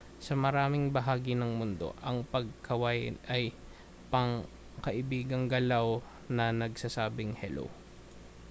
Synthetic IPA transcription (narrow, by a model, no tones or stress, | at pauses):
sɐmɐɾaːmɪŋbɐɦaːɡɪnɐŋmʊnd̪o̞̰ʔɐŋpɐɡ̚kʰɐwaj̪ʔɐj | pɐŋ | kɐʔɪbiːɡɐŋɡɐlaw | nɐnɐɡsasaːbɪŋhɛlʔo̰w